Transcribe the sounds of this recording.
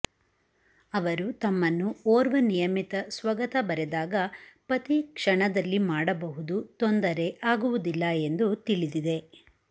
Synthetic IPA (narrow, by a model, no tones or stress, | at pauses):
ɐʋɐɾut̪ɐmːɐnːuoːɾʋɐnijɐmit̪ɐsʋɐɡɐt̪ɐbɐɾed̪aːɡɐpɐt̪ikʂɐɳɐd̪ɐlːimaːɽɐbɐɦud̪ut̪ond̪ɐɾe̞ʔaːɡuʋud̪ilːɐe̞nd̪ut̪iɭid̪id̪e̞